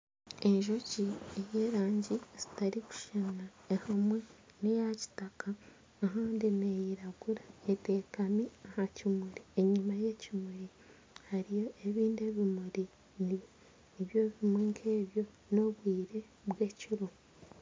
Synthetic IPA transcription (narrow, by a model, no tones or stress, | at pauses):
e̞ɲʒo̞ciejeːɾaːɲɟiz̥itaɾiku̥ʃanaehamwe̞ | nijaci̥takaː | ɦaːndinejiɾaɡuɾaete̞ːkamiahacimuɾieɲimaje̞cimuɾi | haɾijo̞ʔe̞βiːnde̞βimuɾi | ni | iβjo̞βimweŋkʰeːβjo̞ | no̞βwiːɾe̞ | βwe̞ːciɾo